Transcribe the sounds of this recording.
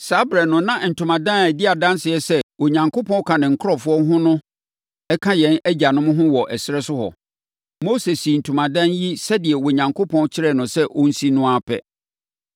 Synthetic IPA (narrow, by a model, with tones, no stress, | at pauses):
sa˦bɾɛ˨nʊ̃˨nã˦n̩˨tʰũ˨mã˨dã˦n˨æ˨dɪ˦a˨dã˦nsɪ˨ɛ˦sɛ˦wo˨ɲã˨ŋkʰo˦pʰɔ̃˦kʰã˨nɪ̃˨ŋ̩˨kʰʊ˦ɾɔ˨fʊ˦ɔ˦ɦʊ̃˦nʊ̃˦ | ɛ˦kʰã˦jɛ̃˦næ˦d͡ʑa˨nʊ̃˦m̃˦ɦʊ̃˦wɔ˨ʔɛ˨sɪ˦ɾɛ˦sʊ˦hɔ̰˨ | mo˦se˨si˨n̩˨tʰu˨mã˨dã˦nji˦sɛ˦dɪ˨ɛ˨wo˨ɲã˨ŋkʰo˦pʰɔ̃˦nt͡ɕʰɪ˦ɾɛ˨nʊ̃˨sɛ˦ʔo˦n̩˦si˦nʊ̃˦a˦pʰɛ̰˦